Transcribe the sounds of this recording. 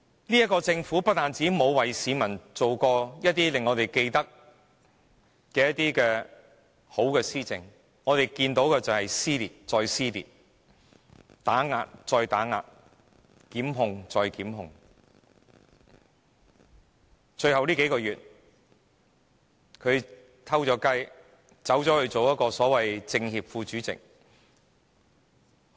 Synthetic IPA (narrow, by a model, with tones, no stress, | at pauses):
liː˥jɐ˥tkɔː˧t͡sɪ˧ŋfuː˨˥pɐ˥t̪̚aː˨nt͡siː˨˥mo˨˧wwɐ˨jsiː˨˥mɐ˨˩nt͡so˨wkɔː˧jɐ˥t̚t̪iː˥lɪ˨ŋːɔː˨˧t̪e˨jke˧jt̪ɐ˥k̚ | kɛː˧jɐ˥t̚t̪iː˥kɛː˧ | ho˨˥wkɛː˧siː˥t͡sɪ˨ŋ | ŋɔː˨˧t̪e˨jkiː˧nt̪o˨˥wkɛː˧t͡sɐ˨˩whɐ˨jsiː˥liː˨˩t̚t͡sɔː˧jsiː˥lḭ˨t̚ | t̪aː˨˥ŋa̰ː˧t̚t͡ʃɔː˧jt̪aː˨˥ŋa̰ː˧t̚ | kiː˨˥mɦʊ˨ŋt͡sɔː˨˧jkiː˨˥mɦʊ˨ŋ | t͡ʃɵ˧ɥɦɐ˨wliː˥ke˨˥jkɔː˧ɥyː˨˩t̚ | kʰɵ˨˧ɥ | t̪ʰɐ˥wt͡ʃɔː˨˥kɐ˥j | t͡sɐ˨˥wt͡ʃɔː˨˥hɵ˨˧ɥt͡so˨wjɐ˥t̚kɔː˧sɔː˨˥wɐ˨jt͡sɪ˧ŋhiː˨p̚fuː˧t͡ʃyː˨˥t͡sɪ̰˨k̚